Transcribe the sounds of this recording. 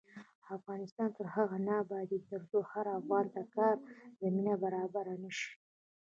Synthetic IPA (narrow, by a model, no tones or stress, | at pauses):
afɣɑnɪst̪ɑnt̪əɾhaɣanɑbad̪it̪əɾsohaɾavɣɑnd̪akɑɾzaminabaɾɑbaɾanəʃi̥